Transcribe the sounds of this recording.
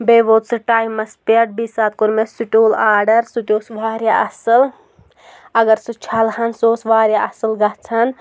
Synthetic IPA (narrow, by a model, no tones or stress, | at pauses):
beʋoːt̪sɨʈaːjmɐspeʈ̚bisaːt̪̚koɾmesiʈoːlaːɖɐɾsut̪oːsʋaːɾjaɐsɐl | ɐɡɐɾsut͡ʃʰalhɐnsoːsʋaːɾjaɐsəlɡɐɦt͡sʰɐn